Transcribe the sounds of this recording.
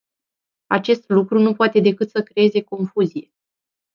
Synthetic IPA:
at͡ʃe̞st̪lukɾunupoat̪e̞d̪e̞kɨt̪səkɾe̞e̞ze̞ko̞nfuzije̞

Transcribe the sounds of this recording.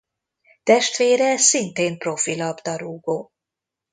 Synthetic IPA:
t̪ɛʃt̪ʋeːɾɛːssint̪eːmpro̞filɒbd̪ɒɾuːɡoː

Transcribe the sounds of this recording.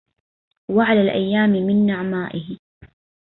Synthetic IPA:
waʕalaːlʔa̰jːaːmɪmɪnːaʕmaːʔɪhɪ

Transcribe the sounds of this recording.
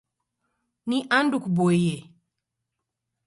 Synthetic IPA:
niʔandukubɔiɛ

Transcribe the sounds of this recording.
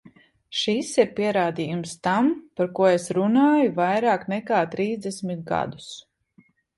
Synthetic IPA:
ʃisiɾpiɛɾaːd̪iːjumst̪ampaɾkuɔesɾunaːjuvajɾaːknɛkaːt̪ɾiːzd̪ɛsmit̪̚ɡa̰d̪u̥s

